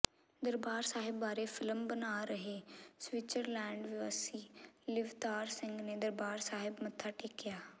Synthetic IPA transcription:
d̪əɾbaːɾsaːɦɪbːaːɾeːfʰɪləmbənaːɾəɦeːsʋɪt͡ʃəɾlɛːɳɖʋɪʋəsiːlɪʋt̪aːɾsɪ̃ŋɡneːd̪əɾbaːɾsaːɦɪbmət̪ʰːaːʈeːkɪjaː

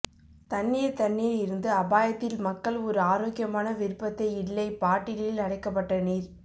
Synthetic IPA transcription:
t̪ɐnːɪjɐt̪ɐɳːɪjɐɪɾɯnd̪ɯɐbaːjɐt̪ːɪlmɐkːɐɭɔɾɯaːɾoːkɪjɐmaːnɐʋɪɾɯpːɐt̪ːɐɪɪɭːɐɪpaːʈːɪlɪlɐɽɐɪkːɐpːɐʈːɐniːɾ

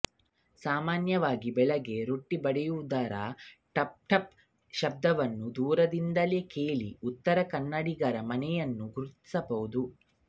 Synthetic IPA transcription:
saːmaːnjɐʋaːɡibɛɭɐɡe̞ɾoʈːibɐɽɛjud̪aːɾa̰ʈɐp̚ʈɐp | ʃɐb̚d̪ɐʋɐnːud̪uːɾɐd̪ind̪ɐle̞ːke̞ːɭḭut̪ːɐɾɐkɐnːɐɽiɡɐɾɐmɐnɛjɐnːuɡuɾt̪i̥sɐbɐʋud̪u

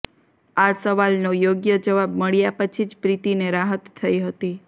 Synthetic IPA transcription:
asəʋalnojoɡjəd͡ʒəʋabməɭjapət͡ʃʰid͡ʒpɾit̪ineɾaɦət̪ʰːəiɦət̪i

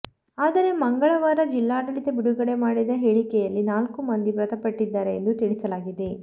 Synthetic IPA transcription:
aːd̪ɐɾe̞mɐŋɡɐɭɐʋaːɾɐd͡ʒilːaːɽɐɭit̪ebiɽuɡɐɽe̞maːɽid̪ɐɦeːɭikɛjɐlːinaːlkumɐnd̪iʋɾɐt̪ɐpɐʈːid̪ːaːɾe̞ːnd̪ut̪iɭisɐlaːɡid̪e

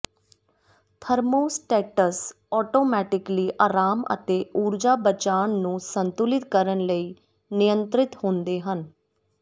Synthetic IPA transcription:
t̪ʰəɾmoːsʈɛːʈəs | ɔːʈoːmɛːʈɪkliːʔaːɾaːmə̰t̪eːʔuːɾd͡ʒaːbət͡ʃaːnːũːsənt̪ʊlɪt̪kəɾənləiː | nɪjənt̪ɾɪt̪hõːnd̪eːɦən

